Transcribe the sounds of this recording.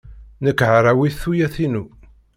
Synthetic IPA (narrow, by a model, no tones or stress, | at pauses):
nəkːʕəɾˤawiθθujæθinu